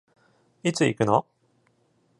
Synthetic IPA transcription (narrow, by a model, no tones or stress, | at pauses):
it͡sɨikɯ̟no